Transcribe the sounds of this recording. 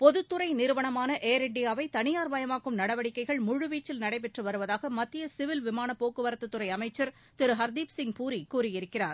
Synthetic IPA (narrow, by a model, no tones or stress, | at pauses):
pɔðɯt̪ːɯrɐɪnɪɾɯʋɐɳɐmaːnɐʔeːɾɛɳɖɪjaːʋɐɪt̪ɐnɪjaːɾʋɐjɐmaːkːɯmnɐɽɐʋɐɽɪkːɐɪɣɐɭmʊɻɯʋiːt͡ʃːɪlnɐɽɐɪp̬ɛʈrɯʋɐɾɯʋɐðaːɣɐmɐt̪ːɪjɐsɪʋɪlʋɪmaːnɐpːoːkːɯʋɐɾɐt̪ːɯt̪ːɯɾɐɪɐmɐɪt͡ʃːɐɾ | t̪ɪɾɯɦɐɾd̪iːpsɪŋpuːɾikuːrɪjɪɾɯkːɪraːɾ